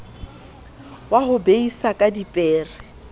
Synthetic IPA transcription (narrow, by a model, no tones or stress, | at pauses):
waɦʊbeisakʼadipʼɛːrɛ